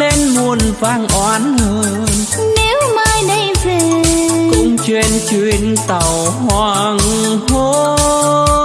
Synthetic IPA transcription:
le˧nmu˧ənvaː˧˩ŋʔwaː˨˦nhəː˧˩˧n | ne˨˦wmaː˧jɗə˧jvi˨˩kʊ̰˧˥ŋ͡mt͡ɕwe˧nt͡ɕwi˧˨ənt̪ə˨˩whwaː˧˩ŋho˧˦

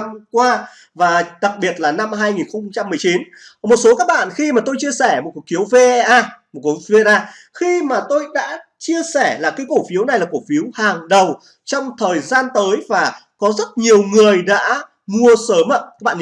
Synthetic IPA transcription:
mkwaː˧ | vaː˨˩ɗa˨˩k̚ɓi˨˩ət̚laː˨˩na˧mɦaː˧jŋi˨˩nxə˧wŋ͡mŋ͡mt͡ɕa˧mːɨ˨˩əjt͡ɕi˨˦n | mo˨˩t̚so˨˦kaː˦˥k̚ɓa̰ː˧˨nxi˧maː˨˩t̪o˧jt͡ɕi˧əsɛ˧˩mo˨˩ku˨˩k̚i˨˦ə˦wve˧ʔʔaː˧mo˨˩t̚kve˧ʔaː˧ | xi˧maː˨˩t̪o˧jɗa̰ː˧˥t͡ɕi˧əsɛ˧˩laː˨˩kaː˨˦jko˧˩fi˨˦əwna˨˩jlaː˨˩ko˧˩fi˨˦əwhaː˨˩ŋɗə˨˩w | t͡ɕɔ˧wŋ͡mt̪ʰəː˨˩jzaː˧nt̪əː˨˦jvaː˨˩ | kɔ˨˦zə˦˥t̚ɲi˨˩əwŋɨ˨˩əjɗa̰ː˧˥ | mu˧əsəː˨˦m˧aː˦˥ɓ̰ː

